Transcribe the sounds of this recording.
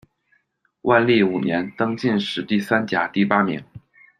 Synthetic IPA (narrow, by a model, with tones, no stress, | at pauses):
wʔa˥˧nli˥˩u˨˩njɛ˧˥nt̪ɤ˥ŋt͡ɕi˥˩nʂɻ̩˨˩t̪i˥˩sa˥nt͡ɕja˨˩t̪i˥˩pa˥mḭ˧˥ŋ